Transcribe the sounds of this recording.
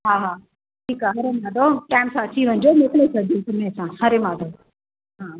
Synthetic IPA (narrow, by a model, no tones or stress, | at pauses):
ɦaːɦaː | ʈʰiːkaɦɐɾemãːd̪ʱoʈaːɪmsãɐt͡ɕʰiʋɐ̃ɲd͡ʑonekɽesɐd̪ʱiũt̪ʊmẽsãhɐɾemãːd̪ʱo | ɦaː